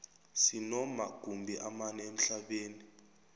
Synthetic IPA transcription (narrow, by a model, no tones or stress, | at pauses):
sinɔmaɡ̥ʱumbʱiʔamanɛem̩ɬaɓeːni